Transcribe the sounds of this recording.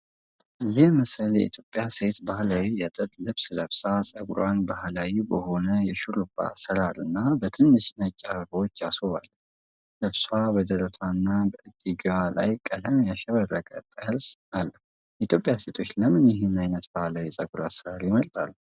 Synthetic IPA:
jɛmɨsəljɛ̰ʔit̪ʰjo̞pʼːjase̞t̪bahlawijɛt̪ʼət̪ʼlɨβsləβsasʼəɡɾwanbahlawibəho̞nəjɛʃuɾuba̰səɾaɾɨnːabət̪ʰɨnːɨʃnət͡ʃʼːaβəɾwot͡ʃːjasoβal | lɨβswabəd̪əɾət̪ʰanːabəʔɨd̪̥iɡwala̰jkʼəd̪əmjaʃɛβərːəkʼət̪ʼəɾsalːəh | jɛʔit̪ʰjo̞pʼjase̞t̪ʰo̞t͡ʃːləmɨnjɪɦɨnajnət̪bahlawisʼəɡɾasəɾaɾjɪməlt̪ʼalːu

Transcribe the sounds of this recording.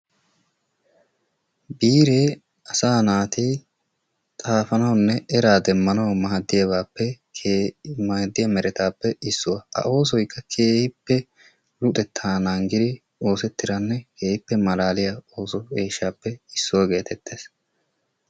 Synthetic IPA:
biːɾeː | ɐsaːnaːt̪i | t̪ʼaːfɐnɐwnːɛʔɛɾaːd̪ɛmːɐnɐwmaːɐd̪ːɪjɐbaːpːɛkːmad̪ːɪjɐmɛɾʔɛt̪aːpːɛɪsːʊwɐɐ̰ʔo̞ːs̬ɔjkːɐkʰe̞ːhɪpːɛ | lʊt̪ʼɛt̪ʰːaːnɐŋɡɪd̪ɪ | o̞ːsɛt̪ːɪɾɐnːɛke̞ːhɪpːɛmɐlaːlɪjɐo̞ːsɔe̞ːʃːaːpːɛɪsːɔwɐɡe̞ːt̪ʰɛt̪ʰːeːs

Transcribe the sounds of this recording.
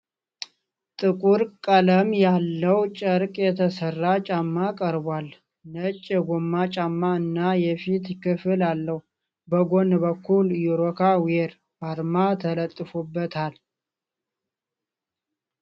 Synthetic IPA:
t̪ʼɨkʼuɾkʼələmjalːəwt͡ʃʼəɾkʼjɛt̪ʰəsərːat͡ʃʼamːakʼəɾbwal | nət͡ʃʼːɛɡomːat͡ʃʼamːaɨnːajɛfit̪kʰɨfɨlalːəhu | bəɡonbəkʰːuljuɾokʰaweɾ | aɾmat̪ʰələt̪ʼːɨfubːət̪ʰal

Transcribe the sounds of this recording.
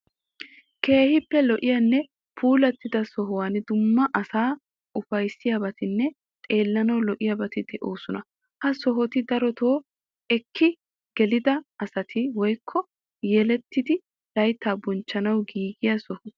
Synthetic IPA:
ke̞ːhɪpːɛlɔʔɪjɐnːɛ | pʰuːlɐt̪ːɪd̪ɐsɔɦʊwaːnd̪ʊmːɐʔɐsaː | ʊfɐjsɪjabɐt̪ɪnːɛ | t̪ʼe̞ːlːɐnɐwlɔʔɪjabɐt̪ɪd̪ɛʔoːsʊnɐ | hɐsɔɦɔt̪ɪd̪ɐɾɔt̪oː | ɛkʰːɪ | ɡ̥ɛlɪd̪ɐɐsɐt̪ʰɪwɔjkʰːɔ | jɛlɛt̪ːɪd̪ɪ | lɐjt̪ːaːbɔnt͡ʃːɐnɐwɡiːɡɪjasɔhʊ

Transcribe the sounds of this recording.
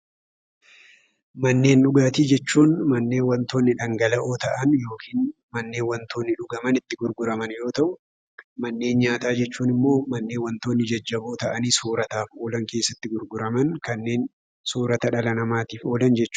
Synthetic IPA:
mɐnːe̞ːnᶑʊɡaːt̪iːd͡ʒɛt͡ʃːuːnmɐnːe̞ːnwɐnt̪o̞ːnːɪᶑɐŋɡɐlɐʔo̞ːt̪ɐʔɐnjo̞ːkʰiːn | mɐnːe̞ːnwɐnt̪o̞ːnːɪᶑʊɡɐmɐnɪt̪ːɪɡʊɾɡʊɾɐmɐnjo̞ːt̪ɐʔʊ | mɐnːe̞ːnɲaːt̪aːd͡ʒɛt͡ʃːuːnɪmːo̞ːmɐnːeːnwɐnt̪oːnːɪd͡ʒɐd͡ʒːɐbo̞ːt̪ɐʔɐniːsuːɾɐt̪aːfo̞ːlɐŋke̞ːsːɐt̪ːɪɡʊɾɡʊɾɐmɐnkɐnːe̞ːn | suːɾɐt̪ɐᶑɐlɐnɐmaːt̪iːfo̞ːlɐnd͡ʒɛt͡ʃːʊ̥

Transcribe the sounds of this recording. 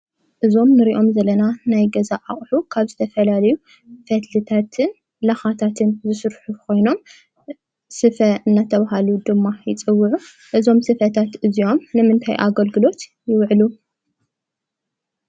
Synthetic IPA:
ʔɨzo̞mnɨɾiʔo̞mzɐlɐnanajɡɐzaʔaχʼħukʰaβzɨt̪ʰɐfɐlalɐju | fɐt̪ʰlɨt̪ʰat̪ʰɨn | laxat̪ʰat̪ʰɨnzɨsɨɾħukʰo̞jno̞m | sɨfɐɨnːat̪ʰɐβaɦaluud̪ɨmːajɪt͡sʼɨwːɨʕu | ʔɨzo̞msɨfɐt̪ʰat̪ɨzio̞mnɨmɨnt̪ʰa̰jʔa̰ɡɐlɡɨlo̞t̪ | jɪwʕlu

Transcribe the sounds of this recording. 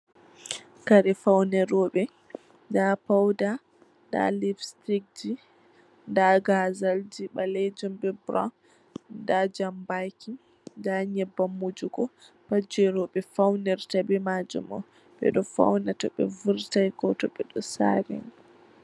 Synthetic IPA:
kaɾɛfawnɛɾɔɓɛ | dapawda | nda̰lifstik̚d͡ʒi | ndaɡazald͡ʒiɓalɛd͡ʒumbɛbɾɔ̰n | dad͡ʒambajki | ndaɲɛbːamud͡ʒuɡɔ | pad͡ʒɛɾɔɓɛfawnɛɾtabɛmad͡ʒṵmɔ̰ | ɓɛ̰ɗɔfa̰wnatɔɓɛ̰vuɾtajɡɔtɔɓɛɗɔsa̰ɾḭn

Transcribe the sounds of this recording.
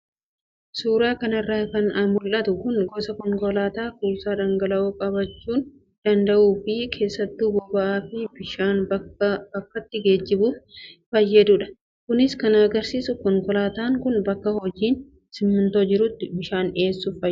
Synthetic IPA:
suːɾaːkɐnɪrːaːkɐnɐmʊlʔɐt̪ʊkʊnɡɔsɐkɔŋkɔlaːt̪aːkuːsaːd̪ɐŋɡɐlɐʔoːkʼɐbɐt͡ʃːuːn | d̪̥ɐnd̪ɐʔuːfɪkʰe̞ːsːɐt̪ːuːbɔbɐʔaːfɪbɪʃaːnb̥ɐkːɐt̪ːɪɡe̞ːd͡ʒːɪbuːffɐjːɐd̪ʊᶑɐ̥ | kʊnɪskɐnɐɡɐɾsiːsʊkɔŋkɔlaːt̪aːŋkʊnbɐkːɐhɔd͡ʒiːn | sɪmːʊnt̪oːd͡ʒɪɾʊt̪ːɪbɪʃaːne̞ːsːufɐj

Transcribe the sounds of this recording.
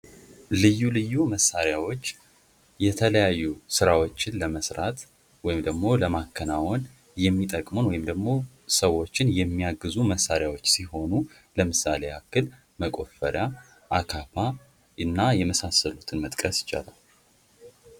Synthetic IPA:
lɨjːulɨjːuməsːaɾjawo̞t͡ʃː | jɛt̪ʰələjajːusɨɾawo̞t͡ʃːɪnləməsɾat̪ | wɔjɪmd̪əɡmo̞ləmakʰːənawon | jɛmːit̪ʼəkʼmonwɔjɪmd̪əɡmo̞ | səwo̞t͡ʃːɪnjɛmːiaɡːɨzuməsːaɾjawo̞t͡ʃːsiho̞nu | ləmɨsale̞akːɨl | məkʼo̞fəɾja | ʔakʰafa | ʔɨnːajɛməsasːəlut̪ʰɨnmət̪ʼkʼəsjɪ̥t͡ʃʼa̰la̰l

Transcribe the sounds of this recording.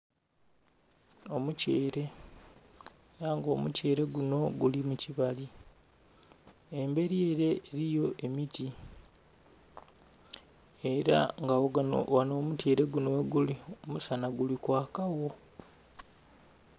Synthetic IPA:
o̞muceːɾe̞ | naːŋɡo̞ːmṵce̞ːɾe̞ɡuno̞ɡulimuciβali | embe̞ɾje̞ːɾe̞eɾijo̞ʔe̞miti | eɾa̰ŋɡaoɡano̰wano̞ːmutje̞ːɾe̞ɡunoeɡuliomusanaɡulikwaːkawo̞

